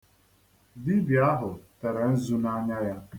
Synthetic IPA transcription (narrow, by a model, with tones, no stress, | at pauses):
di˦bi˨a˦ɦʊ˨tɛ˨ɾa˨n̩˦zu˦na˦ɲa˦ja˦